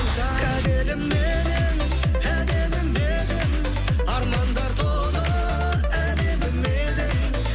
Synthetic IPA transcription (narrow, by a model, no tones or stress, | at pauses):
æd̪elɪmme | d̪en | æd̪emɪmːed̪en | ɑɾmɑnd̪ɑɾt̪ʰo | ɾə | æd̪ebɪlme | d̪en